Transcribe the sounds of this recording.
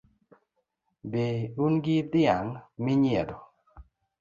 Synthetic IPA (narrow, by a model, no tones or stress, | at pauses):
beunɡɪd̪ɪaŋmɪɲjɛd̪ɔ